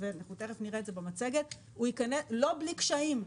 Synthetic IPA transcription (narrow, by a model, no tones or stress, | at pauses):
venaχuteʁefniʁeːtzebemat͡seɡet | uikaneslo̞blikʃaim